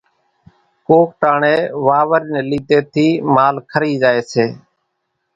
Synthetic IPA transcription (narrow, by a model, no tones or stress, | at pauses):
koːk̚ʈaːɳeːʋaːʋəɾiːneːliːt̪eːt̪ʰiːmaːlkʰəɾiːd͡ʒaːeːseː